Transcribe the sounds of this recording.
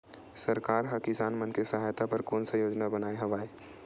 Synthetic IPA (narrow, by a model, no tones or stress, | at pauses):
sɐɾkaːɾɦɐkɪsaːnmənkesɐɦaːjt̪apɐɾkoːnsɐjoːd͡ʒnabənaːeɦɐʋaːe